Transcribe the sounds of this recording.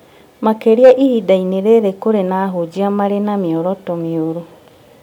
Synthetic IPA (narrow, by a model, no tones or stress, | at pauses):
makeɾiaʔihidaineɾeɾekoɾenaːɦod͡ʒiamaɾenamiɔɾɔtɔmioɾu